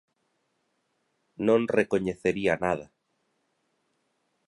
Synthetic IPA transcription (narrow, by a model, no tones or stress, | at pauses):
nõŋrekoɲeθeɾianað̞a